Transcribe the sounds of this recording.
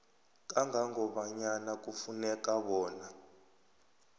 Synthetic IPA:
k̬ʼaŋʱaŋɔɓaɲanak̬ʼufunɛk̬ʼaɓɔːna

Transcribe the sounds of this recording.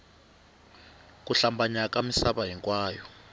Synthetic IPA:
k̬ʼuɬambaɲak̬ʼamisaɓaɦiŋkʼwaːjɔ

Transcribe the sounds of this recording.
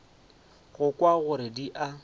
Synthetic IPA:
ɣʊkwaɣʊɾɪdiʔa

